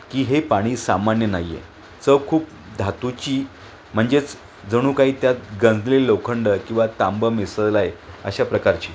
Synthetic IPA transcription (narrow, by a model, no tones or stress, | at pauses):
kiːɦepaɽ̃iːsamanjənaɦijḛ | t͡səkʰuːp̚ | d̪ʱat̪ut͡ɕiː | m̤əɳd͡zet͡s | d͡zəɽ̃uːkaɦiːt̪jat̪̚ɡə̃nd͡zlelowkʰəɳɖəkĩw̃ʋat̪ambəmesəlajə̰ɕapɾəkaɾt͡ɕiː